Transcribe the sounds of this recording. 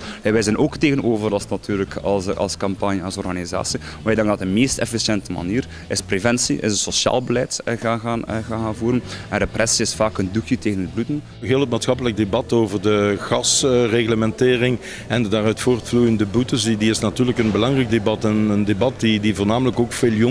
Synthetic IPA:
ɛʋɛjzɛnoːkteːɣənoːvərɑlˠsnatʰyːrləkɑɑ̰lˠskɑmpɑnjəɑlsɔrɣaniza̰ːsi | ɛdɛŋdɑtəmeːstɛ̰fisjɛntəma̰niːr | ɪsprevɛnsiʔɪ̰sənsosja̰ːlˠbəlɛjtɣaːɣaːnɣanvuːɾənɛndəprʔɛsiɪsfaːkəndukjəteːɣənədblutən | ɦeːlˠət̚maːtsxɑpələk̚debɑtoːvərdəɣɑsreɣləmɛnteːrɪŋ | ɛndədaːrœɥtfoːrtflujəndəbutəsdiɪsnatyːrləkənbəlɑŋrɛɡ̚debɑtənəndebɑt̚didivoːrnaːmələkoːkfeːljo

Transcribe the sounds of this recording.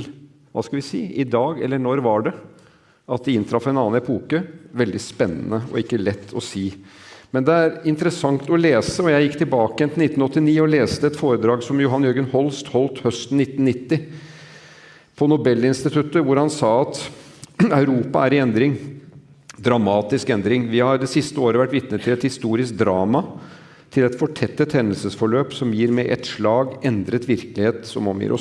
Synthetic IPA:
ʋɑ̰skɑlʋɪsḭːʔɪd̪ɑːɡɛlːəɳɔɾʋɑɖɛ | ʔɑt̪̚d̪ɛɪnt̪ʰɾɑfɛɪnɑːnɛpʰuːkəʋɛld̪ɪspɛnːənəɔ̰ɪkːəlɛt̪ʰːɔsiːmɛnd̪ɛæɾɪnt̪əɾəsɑŋt̪ɔleːsəɔjæɪjɪkːt̪ɪlbɑːkəjɛnɪɪt̪n̩ɔt̪ːɪniːɔleːst̪əɛt̪foːɾəd̪ɾɑːɡsɔmjʊɦɑnjøːɡənhɔlst̪hɔlt̪hœst̪n̩nɪt̪ːnnɪt̪ːɪ | pʰɔnʊbɛlːɪnst̪ɪt̪ʰʉt̪əʋʊɾhɑnsɑːɑt̪ | ɑʉɾuːpɑæɾɪɛnd̪ɾɪŋ | d̪ɾɑmɑːt̪ɪskɛnd̪ɾɪŋʋɪhɑɾd̪ɛsɪst̪əoːɾəʋæʈːʋɪt̪nət̪ʰːɪlɛt̪hɪst̪uːɾɪsk̚d̪ɾɑːmɑ | t̪ʰɪlɛt̪fɔʈʰɛt̪ːət̪hɛnːəlsəsfɔɭøːpsɔmjiːɾmɛɪʔɛt̪ʂɭɑːɡɛnd̪ɾət̪ʋɪɾklɪheːt̪sɔmɔmjḭːɾɔ̰s

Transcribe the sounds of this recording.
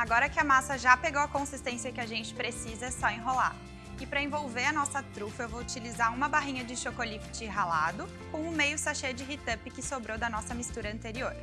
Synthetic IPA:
aɡɔɾɐkɪɐmasɐʒapeɡowɐkõsist̪ẽsiɐkɪaʒẽnt͡ʃɪ̥pɾesizɐsɔẽɦola̰ɾ | ɪpɾɐẽvowveɾɐnɔsɐt̪ɾufɐewvout͡ʃilizaɾũmɐbaɦĩɲɐd͡ʒɪʃokolift͡ʃɪɦala̰d̪ʊ | kõw̃ʊmejʊsaʃed͡ʒɪɦit̪ɐpɪkɪsobɾowd̪ɐnɔsɐmist̪uɾɐɐ̃nt̪eɾioɾ

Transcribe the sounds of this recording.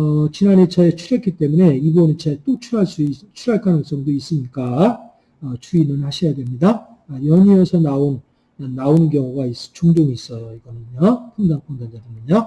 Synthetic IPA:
ʌt͡ɕinane̞t͡ɕaet͡ɕʰuɾek͈ʰit͈e̞mune̞ibʌnɯnt͡ɕaet͈ot͡ɕʰuɾaɭs͈ut͡ɕʰuɾaɭk͈anɯŋs͈ʌŋdois͈ɯmɲik͈a | ʌt͡ɕʰuinɯnhaɕʰijadwe̞mɲida | jʌɲiesʰʌnaon | anːaonɯnk̬jʌŋuɡais͈t͡ɕoŋdoŋiːs͈ʌjʌiɡʌnɯnopʰuŋdanpʰuŋdand͡ʑadɯnɯɲo

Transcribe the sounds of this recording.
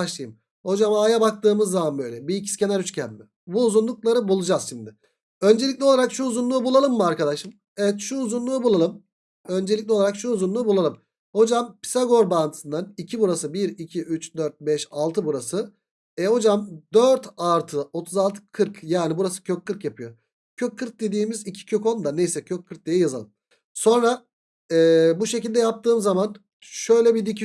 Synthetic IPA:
baʃlˠɯjɯm | ho̞d͡ʒamaːjabak̚t̪ɯːmɯzːamanbø̞jlʲɛbiicʰi̥scʲe̞næɾyt͡ʃcʰænmɪ | buːzunlˠuklˠaɾɯbulˠud͡ʒaz̥ʃimd̪ɪ | ø̞nd͡ʒe̞lʲicʲlʲɛo̞lˠaɾakʃuːzunlˠuːbulˠalˠɯmːɯaɾkad̪aʃɯm | evɛt̪ʃuːzunlˠuːbulˠalˠɯm | ø̞nd͡ʒe̞lʲic̬̚ʲlʲɛo̞lˠaɾakʃuːzunlˠuːbulˠalˠɯm | ho̞d͡ʒampi̥saɡo̞ɾbant̪ʰɯ̥sɯnd̪anicʰibuɾasɯbiɾicʰiʔyt͡ʃd̪øɾt̪̚bɛʃalˠt̪ʰɯbuɾasɯ | ɛho̞d͡ʒamd̪øɾt̪alɾt̪ʰɯo̞t̪ʰuzalˠt̪ʰɯ̥kʰɯɾkjaːnibuɾasɯ̥cʰøkʰːɯɾkjapʰɯjo̞ | cʰøk̚ʰːɯɾk̚d̪e̞d̪iːmizicʰi̥cʰøko̞nd̪anejsɛcʰøkʰːɯɾk̚d̪ejɛjazalˠɯm | so̞nɾa | ɛːbuʃecilʲd̪ɛjap̚t̪ʰɯːmzaman | ʃø̞jlʲɛbid̪icʰi

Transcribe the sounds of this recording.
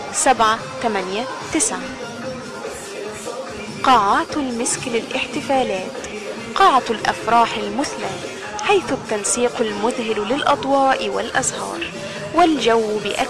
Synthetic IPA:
sabʕa | t̪amanja | t̪ɪsʕa | qɑːʕaːt̪lmɪsklɪlʔɪħt̪ɪfaːlaːt̪ | qɑːʕalʔa̰fɾˤɑːħɪlmʊθla | ħajθʊt̪ːansiːqalmʊðɦɪllɪlʔɑd̪ˤwɑːʔɪwa̰lʔazhɑ̰ːɾˤ | wɪld͡ʒawːbɪʔa

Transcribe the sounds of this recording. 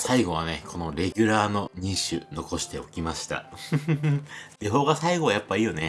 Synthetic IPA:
saiɡo̞β̞ane̞kʰo̞no̞ɾe̞ɡʲɨɾaːno̞ɲ̟ĩɰɕɨ̰no̞ko̞ɕi̥t̪e̞o̞kʲimaɕi̥t̪a̰ | d̪̥eɦo̞ːɡasaiɡo̞βajapːaiːjo̞ne̞

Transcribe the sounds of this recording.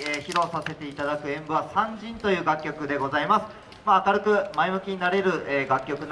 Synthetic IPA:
eːçiɾo̞sase̞t̪e̞it̪ad̪akɯ̟ẽ̞mbɯ̟βasãɲd͡ʑĩnt̪o̞jɯ̟ːɡakʲːo̞kɯ̟d̪e̞ɡo̞zaimasɨ̥ | maːkaɾɯ̟kɯ̟maemɯ̟kʲiɲ̟inaɾe̞ɾɯ̟ʔeːɡakʲːo̞kɯ̟n

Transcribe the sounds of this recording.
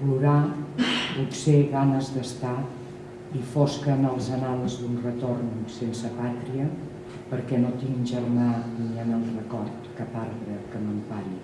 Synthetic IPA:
pluɾa | put̪seɣanəzd̪əst̪a | ifoskəːnəlˠzənalˠzd̪unrət̪ornsensəpat̪ɾiə | pəɾkɛnot̪iŋʒərmaniənəlˠrəkɔɾt̪kapaɾðɾəkənompaʎi

